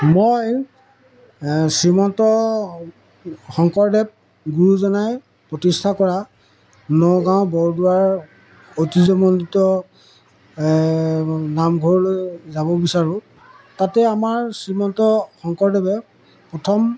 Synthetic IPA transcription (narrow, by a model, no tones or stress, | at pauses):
moj | sɹimɔntɔ | xɔŋkɔɹdɛb̚ | ɡuɹuzɔnaj | pɹɔtistʰakɔɹa | nɔɡãʊ̃bɔɹduwaɹ | otizɔmɔnditɔ | namɡʱɔɹlojzabɔbisaɹʊ̃ | tatɛamaɹsɹimɔntɔxɔŋkɔɹdɛbɛ | pɹɔtʰɔm